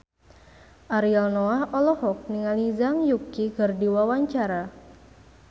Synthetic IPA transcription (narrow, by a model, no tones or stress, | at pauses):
ʔaɾialnoahɔlɔhɔk̚niŋalizaŋjukiɡərdiwawaɲt͡ʃaɾa